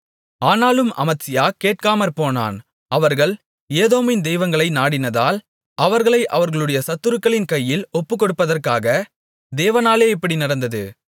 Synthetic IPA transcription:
aːnaːlɯmʔɐ̰mɐt̪sɪjaːkeːʈ̚kaːmɐɾpoːna̰ːn | ʔɐʋɐɾɣɐɭ | eːðoːmɪnd̪ɛjʋɐŋɡɐɭɐɪnaːɽɪnɐðaːl | ɐʋɐɾɣɐɭɐɪʔɐʋɐɾɣɐɭɯɽɐjɐsɐt̪ːɯɾɯkːɐɭɪnkɐjːɪlɔpːɯkːɔɽɯpːɐðɐrkaːɣɐ | d̪eːʋɐnaːleːɛpːɐɽinɪɽɐnd̪ɐðɯ̰

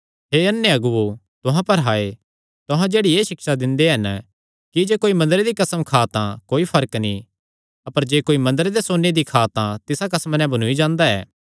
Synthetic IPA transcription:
ɦeɐnːeɐɡuo | t̪ʊɦãpɐɾɦaːe | t̪ʊɦãd͡ʒeːɽieːʃɪkʃad̪ɪ̃nd̪eɦɐn | kid͡ʒeːkoːimɐ̃nd̪əɾed̪ikɐsəmkʰaːt̪ãkoːipʰɐɾəkni | ɐpəɾd͡ʒeːkoːimɐ̃nd̪əɾed̪esoːned̪ikʰaːt̪ãt̪ɪsakɐsmanɛ̃bɐnuid͡ʒãːnd̪aɛ̰ː

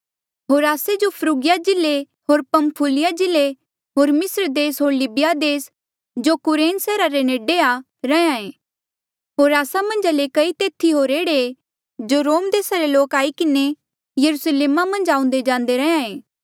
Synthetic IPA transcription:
ɦoːɾaːsed͡ʒopʰɾuːɡɪjad͡ʒɪle | ɦoːɾpɐ̃mpʰulɪjad͡ʒɪle | ɦoːɾmɪsɾd̪eːsɦoːɾlɪbɪjad̪eːs | d͡ʒokʊɾeːnsɛːɾaɾeneːɖea | ɾɐãẽː | ɦoːɾaːsamɐ̃nd͡ʒalekɐit̪eːt̪ʰiɦoːɾeːɽe | d͡ʒoɾoːmd̪eːsaɾeloːkaːikɪne | jɐɾusleːmamɐ̃nd͡ʒãːʊ̃nd̪ed͡ʒãːnd̪eɾɐɦãẽː

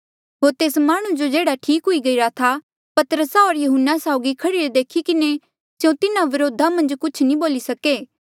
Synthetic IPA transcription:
ɦoːɾt̪eːsmaːɽ̃ũd͡ʒod͡ʒeːɽaʈʰiːkɦʊiɡɐiɾat̪ʰa | pɐt̪ɾəsaɦoːɾjɐɦʊnːasaʊɡikʰɐɽiɾed̪eːkʰikɪne | sjõt̪ɪnãʋɪɾoːd̪ʱamɐ̃nd͡ʒkʊt͡ʃʰnĩboːlisɐkeː

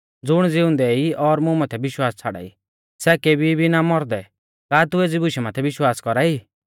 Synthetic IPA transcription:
d͡zʊɽ̃d͡zɪʊ̃nd̪ɛiɔɾmũmaːt̪ʰɛbɪʃwaːst͡sʰaɽa̰ːḭ | sɛːkebʱibʱinamɔɾd̪ɛ | kaːt̪ʊeːd͡zibʊʃɛmãːt̪ʰɛʋɪʃwaːskɔɾaːiː

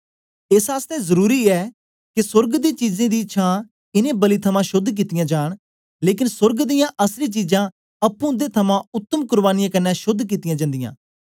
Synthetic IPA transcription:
ɪsaːst̪ɛːzəɾuːɾiːɛː | kɪsʊɾɡd̪iːt͡ʃiːzẽːd̪iːʃʰãː | ɪnẽːbəliːt̪ʰəmãːʃʊd̪ʱk̬iːt̪ɪjãːd͡ʒaːɳ̃ | leːk̬ɪnsʊɾɡd̪ɪjãːʔəsɾiːt͡ʃiːd͡ʒãː | əpːũːd̪eːt̪ʰəmãːʊt̪ːəmkʊɾbaːnɪjãːkənːɛːʃʊd̪ʱːk̬iːt̪ɪjãːd͡ʒãːnd̪ɪjã̰ː

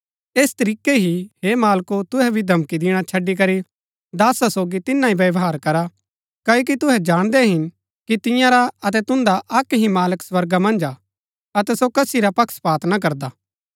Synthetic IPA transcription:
eːst̪ɐɾiːkeɦiɦeːmaːlkot̪ʊɦɛbʱid̪ʱɐmkid̪ɪɽ̃at͡ʃʰɐɖːik̬ɐɾi | d̪aːsasoːɡit̪ɪnãiʋɐʋɦaːɾkɐɾa | kɐːoːk̬it̪ʊɦɛd͡ʒaːɽ̃d̪ɛɦɪn | kit̪ɪ̃jãɾaɐt̪̬ɛt̪ʊ̃nd̪aʔɐkɦĩmaːləkswɐɾɡamɐ̃nd͡ʒa | ɐt̪ɛsokɐsiɾapɐkʰspaːt̪nak̬ɐɾd̪aː

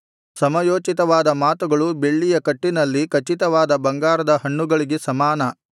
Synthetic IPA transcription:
sɐmɐjoːt͡ʃit̪ɐʋaːd̪ɐmaːt̪uɡɐɭube̞ɭːijɐkɐʈːinɐlːikɐt͡ʃit̪ɐʋaːd̪ɐbɐŋɡaːɾɐd̪ɐɦɐɳːuɡɐɭiɡesɐmaːnɐ

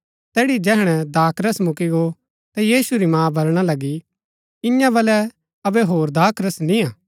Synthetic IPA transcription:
t̪ɛːɽid͡ʒɛːɦɽ̃ɛd̪aːkɾəsmʊkiɡo | t̪ɛjiːsuɾimãːbʱɐɾɽ̃alɐɡi | ɪ̃jãbɐlɛ | ɐbɛɦoːɾd̪aːkɾəsnĩãː

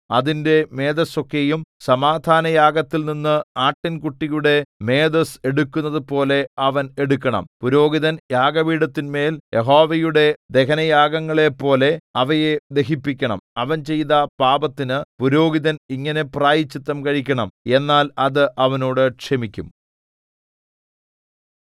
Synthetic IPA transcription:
ɐðinde̞me̞ːd̪ɐso̞kːejumsɐmaːd̪ʱaːnɐjaːɡɐt̪ːilninːɨaːʈːinkuʈːijuɽe̞me̞ːd̪ɐse̞ɽukʲːunːɐðɨpo̞ːle̞ɐʋɐneɽukʲːɐɳɐ̰mpuɾo̞ːɡiðɐnjaːɡɐʋiːɽɐt̪ːinme̞ːljʔeɦo̞ːʋejuɽe̞d̪e̞kʰɐnɐjaːɡɐŋːɐɭe̞pːo̞ːle̞ɐʋɐje̞d̪e̞ɦipːikʲːɐɳɐ̰mɐʋɐnt͡ɕe̞jt̪ɐpaːbɐt̪ːinɨpuɾo̞ːɡiðɐniŋːɐne̞praːjit͡ɕːit̪ːɐmkɐɻikʲːɐɳɐme̞nːaːlɐðɨʔɐʋɐno̞ːɽɨkʂemikʲːum

